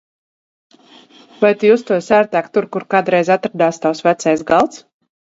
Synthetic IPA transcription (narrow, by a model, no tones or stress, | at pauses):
vajt̪ujuːst̪uɔsæːɾt̪æːkt̪uɾkuɾkaːd̪ɾɛjzat̪ɾad̪aːst̪awsvæt̪sɛjsɡalˠt̪s